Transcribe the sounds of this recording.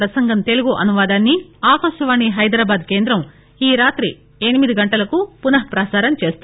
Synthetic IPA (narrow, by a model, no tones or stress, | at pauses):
ɾɐsɐŋɡɐnt̪e̞luɡuʔɐnuʋaːd̪aːnːiaːkɐːʃɐʋaːniɦɐjd̪ɾaːbaːd̪ke̞ːnd̪ɾɐm | iːɾaːt̪ɾi | enimid̪iɡɐɳʈɐlɐkupunɐɦɐpɾaːsaːɾɐmt͡ʃeːst̪u